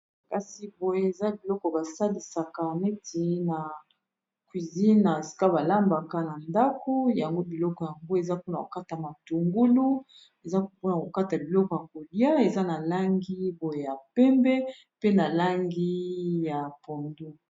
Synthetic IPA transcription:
ka˨si˨bo˨je˦e˨za˦bi˨lɔ˦kɔ˨ba˨sa˦li˨sa˨ka˨mɛ˦ti˨˦na˨ | kwi˨zi˦na˨si̥˨ka˦ba˨la˦mba˨ka˦na˨nda˦ko˦ja˨ŋɡo˦bi˨lɔ˦kɔ˨ja˨ŋɡo˦e˨za˦po˦na˨ko˨ka˦ta˨ma˨tu˨ŋɡu˦lu˦ | e˨za˦po˦na˨ko˨ka˦ta˨bi˨lɔ˦kɔ˨ja˨ko˨li˦a˦e˨za˦na˨la˦ŋɡi˦bo˨je˦˨ja˨pɛ˦mbɛ˦ | pe˦na˨la˦ŋɡi˦ja˨po˨ndu˦

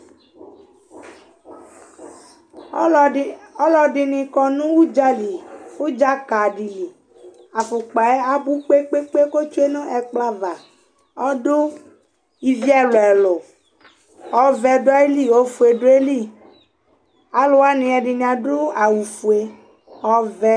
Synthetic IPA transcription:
ɔ˦lɔ˨di˨nĩ˧kɔ˨nũ˦wu˦d͡ʒa˦li˨wu˦d͡ʒa˦ka˨di˨li˨ | a˨fu˨k͡pa˨ɛ˦a˨bu˦k͡pe˦k͡pe˦k͡pe˦ko˦t͡ʃu˦e˦nɔ̃˦ʔɛ˨k͡pla˦va˨ | ɔ˦dʊ˦ | i˨vi˦ɛ˦lo˨ɛ˨lo˨ | ɔ˨vɛ˨do˦a˦i˦li˦o˦fu˨e˨ɖo˦e˦li˦˨ | a˨lo˦wa˦nĩ˧ɛ˨ɖi˨nĩ˨a˨do˦a˨wu˨fu˨e˨ | ɔ˨vɛ˦

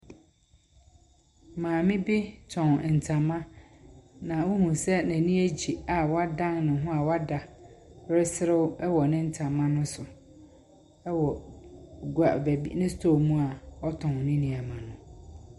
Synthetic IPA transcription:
mãː˨mɪ̃˦bi˦tʰɔ̃˨n˨n̩˨tʰã˨mã˦ | nã˨wʊ˦hũ˨sɛ˦næ̃˨nĩ˦æ˦d͡ʑi˨a˨wa˦dã˦ŋnʊ̃˨ɦʊ̃˦a˨wa˦da˨˦ɾɪ˦sɪ˦ɾɪ˦wɛ˦wɔ˨nɪ̃˦n̩˦tʰã˨mã˦nʊ̃˦sʊ˨ | ɛ˦wɔ˨ | ɡu˨a˨bæ˨bḭ˦nɪ̃˦stʰo˦˨mũ˦a˨ɔ˦tʰɔ̃˨n˨nɪ̃˦nĩ˨a˨mã˨nʊ̃˨

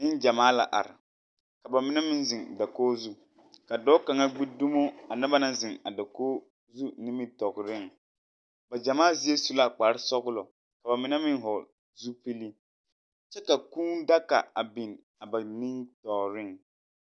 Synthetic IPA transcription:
nɪ˦nd͡ʒa˨maː˦la̰˨ʔa̰˨ɾɪ̰˨ | ka˨ba˨mɪ˦nɛ˦mɪ˦nzɪ˨ŋda˨koː˦zu˦ | ka˨dɔ˦ka˨ŋa˦ɡ͡bi˦du˦mo˦a˨na˦ba˦na˦zɪ˨ŋa˨da˨koː˦ | zu˦nɪ˦mɪ˦tɔ˨ɣɾɪ˦˨ŋ | ba˨d͡ʒa˨maː˦˨zi˦e˦su˦la˦k͡pa˨ɾɪ˦sɔ˦ɡʊ˦lɔ˨ | ka˨ba˨mɪ˦nɛ˦mɪ˦nɦɔ˨ | zu˦pi˦li˦ | t͡ʃɛ˦ka˨kuː˦nda˦ka̰˨a˨bi˨n | a˨ba˨nɪ˦ŋtɔ˨ɾɪ˦ŋ

